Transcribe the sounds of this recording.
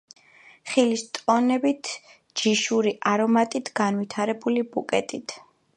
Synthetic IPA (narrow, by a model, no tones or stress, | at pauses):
χilist̪ʼɔnɛbit̪ʰ | d͡ʒiʃuɾiʔaɾɔmat̪ʼit̪ʰɡ̥anvit̪ʰaɾɛbulibukʼɛt̪ʼit̪ʰ